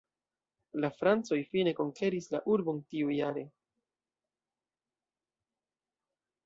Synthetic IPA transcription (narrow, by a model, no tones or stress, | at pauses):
lafɾant͡so̞jfine̞ko̞ŋke̞ɾislaʔuɾbo̞ntiujaɾe̞